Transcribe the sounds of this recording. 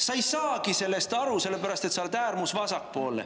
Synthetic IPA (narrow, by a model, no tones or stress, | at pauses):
sɑjsɑːɡise̞lːest̪ɑɾuse̞lːe̞pæɾɑst̪et̪sɑlt̪æːrmusvɑsɑkːpo̞ːlːḛ